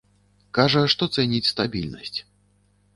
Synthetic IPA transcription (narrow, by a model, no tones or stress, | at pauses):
kaʐɐʂt̪ɔt̪sɛnʲit͡sʲst̪abʲḭlʲnɐ̰sʲt͡sʲ